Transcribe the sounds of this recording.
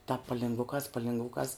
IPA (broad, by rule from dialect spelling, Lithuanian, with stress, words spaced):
tɑːp pɐlʲɪŋɡˈʋʊkɑːs pɐlʲʋʲɪŋɡˈʋʊkɑːs